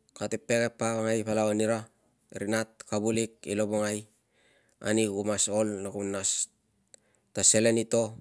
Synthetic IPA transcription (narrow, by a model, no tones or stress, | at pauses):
katepːekepːaβaŋajpalaoniɾa | ɾinat̚kabulik̚ḭloboŋaj | a̰niɡumaso̞lnakumnas | tase̞lenito̞